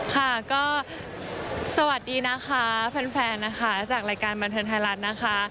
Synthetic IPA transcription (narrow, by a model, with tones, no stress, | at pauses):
kʰa˥˩kɔː˥˩ | sa˧wa˨˩t̪̚diː˧na˦˥xʰa˦˥pʰɛ˧nfɛː˧nːa˦˥xʰa˦˥t͡ɕaː˨˩k̚ɾaː˧jkaː˧nba˧nt̪ʰɤː˧ŋt̪ʰaː˧jɾa˦˥t̪̚na˦˥xʰa˦˥